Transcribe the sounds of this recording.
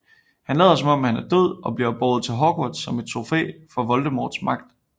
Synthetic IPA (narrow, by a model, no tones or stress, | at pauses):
hænlɛ̰ːðˠɐs̬ɒ̽mɒ̽m̰hænæɐd̥øð̰ˠɒ̽b̥liɐb̥ɒːð̩ˠt͡sʰe̝lɦɒːɡ̥od̥sɒ̽me̝d̥̚t͡sʰʁo̝fḛːfɒ̽ʋɒ̽ld̥əmɒ̰ːd̥smɑ̈ɡ̥̚d̥